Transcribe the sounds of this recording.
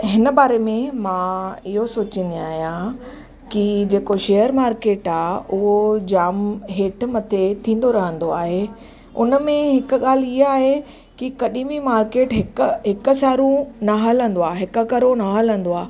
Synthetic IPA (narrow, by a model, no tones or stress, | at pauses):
ɦɪnəbaːɾemẽmãːɪɦosoːt͡ɕĩn̆d̪iaːɦijã | kid͡ʑeːkoʃeːjəɾmaːɾkeːʈaːʊɦod͡ʑaːmɦeːʈmɐt̪ʰet̪ʰĩːn̆d̪oɾɐɦə̃nd̪oaːɦe | ʊ̰nə̆mẽɦɪk̆ɠaːliaːɦe | kikɐɗĩbimaːɾkeːʈɦɪkɦɪkʊ̆saːɾũnaɦələ̃nd̪oaːɦɪkə̆kɐɾonaɦələ̃n̆d̪oaː